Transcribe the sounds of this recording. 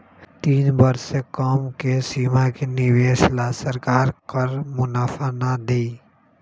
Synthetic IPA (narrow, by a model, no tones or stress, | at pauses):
t̪iːnbəɾsekɔːmkesiːmakenɪʋeːʃlasəɾkaːɾkəɾmʊnaːfʰanad̪iː